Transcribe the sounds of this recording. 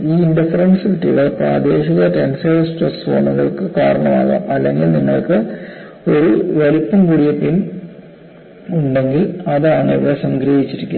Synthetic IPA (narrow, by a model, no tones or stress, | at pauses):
iːiɳɖifɐɾɐnsʋiʈːiṵɽepra̰ːd̪e̞ːɕɐɣɐʈenseːʋɐsʈɐsʋo̰ːɳɐɣɐɭkɨkaːɾɐɳɐma̰ːɣa̰ːmɐlːe̞ŋɡilniŋːɐɭkɨ | o̞ɾuʋɐlipːɐmkuɽijɐpin | uɳɖe̞ŋɡilɐðaːɳɨiʋiɽesɐŋɡɾɐɦit͡ɕːiɾikʲːu